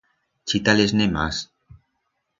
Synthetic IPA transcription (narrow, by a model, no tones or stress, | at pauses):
t͡ʃit̪aleznema̰s